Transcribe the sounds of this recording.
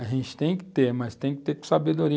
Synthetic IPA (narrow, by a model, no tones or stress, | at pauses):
ɐʒẽnt͡ʃɪ̥t̪ẽj̃kɪ̥t̪eɾmɐst̪ẽj̃kɪ̥t̪eksabed̪oɾi